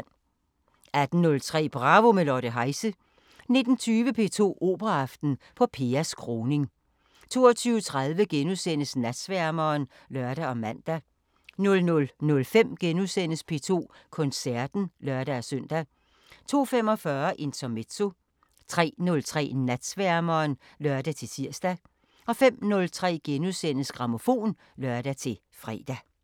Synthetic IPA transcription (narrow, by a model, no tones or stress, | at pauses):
æd̥n̩nɔ̽lt͡sʰʁɛ̰ːb̥ʁɑ̈ʋo̝melɒːɾ̥əɦɑ̈ɪsə | ne̝d̥n̩t͡sʰyːʋəpʰe̝ːt͡sʰo̝̰ːʔo̝̰ːb̥ʁɑɑfd̥n̩pʰɒ̽pʰe̝ːɐskʰʁo̝ːne̝ŋ | t͡sʰo̝̰ːɐt͡sʰyːʊət͡sʰʁɑ̈ðˠʋəɡ̥enusen̰əsnæd̥sʋæɐmɐːn | lɶɐɾ̥æɒ̽mæn̰d̥æ | nɔ̽lnɔ̽lnɔ̽lfem̰ɡ̥enuðsen̰əspʰe̝̰ːt͡sʰo̝̰ːkʰɔ̽nsæɐd̥n̩lœɐɾ̥æːsœn̰d̥æ | t͡sʰo̝̰ːfemɒ̽fɶɐʔe̝nt͡sʰɒme̝̥t͡so̝ | t͡sʰʁɛ̰ːnɔ̽lt͡sʰʁɛ̰ːnæd̥sʋæɐmɐːn | lœɐd̥æt͡sʰe̝t͡sʰiɐ̰sd̥æ | ɒ̽fem̰nɔ̽lt͡sʰʁɛ̰ːɡ̥enuðˠsen̰əsɡ̥ʁɑ̈mo̝fo̝̰ːn | lœɐd̥æt͡sʰe̝ | fʁɛ̰ːd̥æ